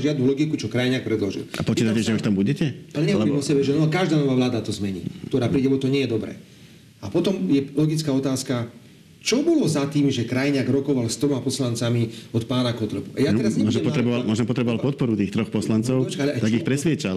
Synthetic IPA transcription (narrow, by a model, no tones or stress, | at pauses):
ʒɪad̪nulɔɡikut͡ʃɔkɾajɲak̚pɾɛd̪lɔʒḭlapɔt͡ʃiːt̪acɛʒɛuʃt̪ambuɟɛcɛalɛɲɛʋlɔɾiːmɔsɛbɛʒɛnɔkaʒd̪aːnɔʋaːʋlaːd̪at̪ɔzmɛɲḭːkkt̪ɔɾaːpɾiːɟɛbɔt̪ɔɲɪɛjɛd̪ɔbɾɛ̰ː | apɔt̪ɔmjɛlɔɡit͡skaːɔt̪aːska | t͡ʃɔbɔlɔzat̪iːmʒɛkɾajɲaɡɾɔkɔʋalst̪ɾɔmapɔslant͡samiɔt̪paːnakɔt̪ɾɔpuʔa̰jat̪ɛɾazɲɛmɔʒmɔɾɛbɔalmɔʒɛmpɔt̪ɾɛbɔʋalpɔt̪̚pɔɾut̪iːxt̪ɾɔxpɔslant͡sɔʊɔt͡ʃkaalɛʔat̪aɡixpɾɛsʋɪɛt͡ʃal